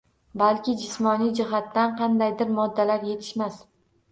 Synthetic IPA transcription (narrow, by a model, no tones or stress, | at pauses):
balkʲɪd͡ʒɪsmɒnijd͡ʒɪɦat̪ːanqʰɑnd̪ajd̪ɪɾmɒd̪ːalaɾje̞t̪ʰɪ̥ʃmas